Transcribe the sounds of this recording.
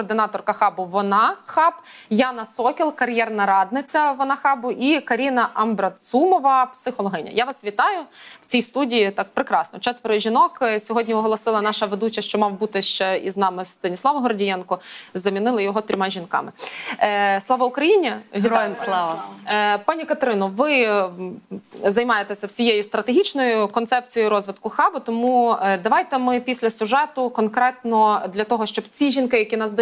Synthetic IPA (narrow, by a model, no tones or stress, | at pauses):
ɔrd̪ɪnɑt̪ɔrkɐxɑbʊʋɔnɑxɑpjɑnɐsɔkʲilˠkɐrjɛrnɐɾɑd̪nɪt͡sʲɐʋɔnɑxɑbʊʔikɐɾʲinɐʔɐmbɾɐt̪sumɔʋɐpsɪxɔlˠɔɦɪnʲɐ̰jaʋɑsʋʲit̪ɑjʊwt͡sʲijst̪udʲijit̪ɑk̚pɾɪkɾɑsnɔt͡ʃɛt̪ʋeɾɔʒʲinɔksʲɔɦɔdʲnʲiɔɦɔlˠɔsɪlˠɐnɑʃɐʋed̪ut͡ʃɐʃt͡ʃɔmɑwbut̪ɪʃt͡ʃɛḭznɑmɪst̪ɐnʲislˠɑʋɐɦɔrdʲijɛnkʊzɐmʲinɪlˠɐjɔɦɔt̪ʲɾʲɔmɑʒʲinkɑ̰mɪ | slˠɑʋɐʊkɾɐjinʲiʋʲialˠɑɐpɑnʲikɐt̪ɾɪnʊʋɪ | zɐjmɑjet̪ɛsʲɐwsʲijejʊst̪ɾɐt̪eɦʲit͡ʃnɔjʊkɔnt̪sɛp̚t͡sʲijjiɾɔzʋɪd̪kʊxɑbʊt̪ɔmud̪ɐʋɑjt̪ɛmɪpʲisʲlʲɐsʲʊʒɛt̪ʊkɔnkɾɛt̪nɔd̪lʲɐt̪ɔɦɔʃt͡ʃɔbt͡sʲiʒʲinkɪjɐkʲinɑzd̪